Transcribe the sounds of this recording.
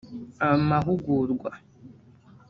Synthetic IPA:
amaɦuɡuɾɡʷa

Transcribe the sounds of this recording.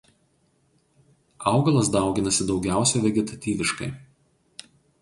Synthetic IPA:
ɑˑʊɡɐlˠɐs̬d̪ɑˑʊɡʲɪnɐsʲɪd̪ɒʊɡʲæˑʊsʲoːʋʲɛɡʲɛt̪ɐt̪ʲiːʋʲɪʃkɐ̰ɪ

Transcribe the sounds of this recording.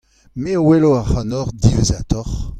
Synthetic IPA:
meoweloaʁhɑnɔʁd̪ivezat̪ɔʁ

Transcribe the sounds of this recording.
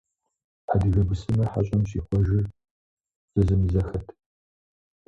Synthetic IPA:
ħadɨɣɐbɨsɨmɐħa̰ɕʼɐmɕiːxʷɔʒɪ | z̥ɐzɨmɨzɐxɐtʰ

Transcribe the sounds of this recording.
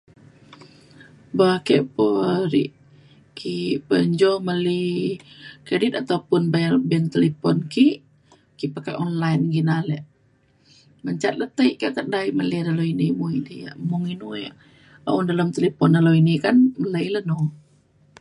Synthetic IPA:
bakɛʔpəɾḭʔ | kʰipəɲd͡ʒɔməli | kɾedit̪at̪awpʊnbabɛnt̪əlipɔnkiʔ | kiʔpəkaʔɔnlajnɡinalɛʔ | məɲt͡ʃat̪̚lət̪əiʔkəʔk̪əʔdaiʔməlidaloinimuidija̰ʔmuŋinuɛʔ | a̰undaləmt̪əlipɔndaloinikanmələiləno

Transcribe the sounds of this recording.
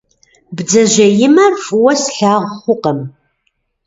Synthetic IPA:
bd͡zɐʒɐjɪmɐrfʼwɐsɬaːʁʷχʷʊqɐm

